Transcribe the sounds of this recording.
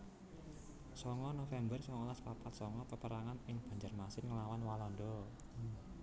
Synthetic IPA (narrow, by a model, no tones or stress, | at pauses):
sɔŋɔnofɛmbərsɔŋɔlaspapat̪̚sɔŋɔpəpəɾaŋanɪŋb̥a̤ɲd͡ʒarmasɪnŋəlawanwalɔndɔ